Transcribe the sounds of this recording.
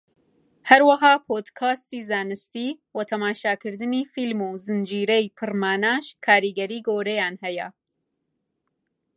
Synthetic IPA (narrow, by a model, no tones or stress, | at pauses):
hɐɾwɐɦaːpʰoːd̪kʰaːst̪iːzaːnɨst̪iwɐt̪ʰɐmaːʃaːkʰɨɾd̪ɨniːfilmuːzɨnd͡ʒiːɾɛjpʰɨrmaːnaːʃkʰaːɾiːɡɐɾiːɡoːɾɛjaːnhɛjɛ̰